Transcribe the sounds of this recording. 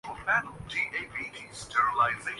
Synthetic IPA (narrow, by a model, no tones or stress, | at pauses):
l̩ˠfænl̩ˠdiʔeɪvidʰistʰɛɹəlaɪzeɪ